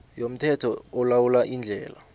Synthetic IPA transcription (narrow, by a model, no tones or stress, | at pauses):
jom̩tʰɛtʰɔːlawulaʔind͡ɮʱɛːla